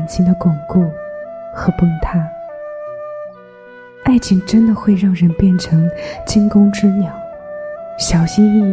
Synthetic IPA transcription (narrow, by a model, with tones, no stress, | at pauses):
nt͡ɕʰi˥ŋd̪ə˧kwʊ˨˩ŋku˥˩xɤ˧˥pə˥˧ŋt̪ʰa˥˩ | a˥˩ɪt͡ɕʰi˥˩ŋʈ͡ʂə˥nd̪ə˨xwe˥˧ɪɻɑ˥˩ŋɻə˧˥npjɛ˥˩nʈ͡ʂʰɤ˧˥ŋt͡ɕi˥ŋkʊ˥ŋʈ͡ʂɻ̩˥njɑ˨˩˦ʊ | ɕjɑ˨˩ʊɕi˥ni˥˩